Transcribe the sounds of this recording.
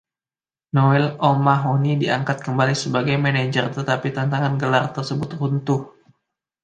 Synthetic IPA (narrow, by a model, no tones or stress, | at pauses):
noɛlomaɦonidiaŋkat̪̚kəmbalisəbaɡajmɛned͡ʒərt̪ət̪apit̪ant̪aŋanɡəlart̪ərsəbʊt̪̚runt̪ʊh